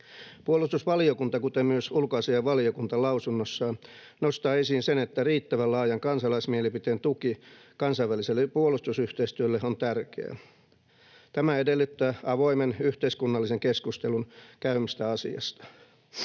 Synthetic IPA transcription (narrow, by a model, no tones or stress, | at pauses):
puolust̪usʋɑliokunt̪ɑkut̪emmyøsulkoɑsiɑʋʋɑliokunt̪ɑlɑusunːosːɑː | nost̪ɑːesinsenet̪ːæriːt̪ːæʋælɑːjɑŋkɑnsɑlɑismielipit̪eːnt̪uki | kɑnsɑiʋːæliselːepuolust̪usyht̪eist̪yølːeont̪ærkḛæ̰ | t̪æmæedelːyt̪ːæːɑʋoimenyht̪eiskunːɑlːiseŋkeskust̪elunkæymist̪æɑsḭɑ̰st̪ɑ̥